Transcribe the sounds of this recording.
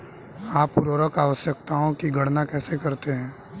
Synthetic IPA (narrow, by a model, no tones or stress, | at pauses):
aːpːʊɾoːɾəkaːʋəsjək̚t̪aɦõkiɡʱɐɽnakɛːsekɐɾt̪eɦɛ̃ː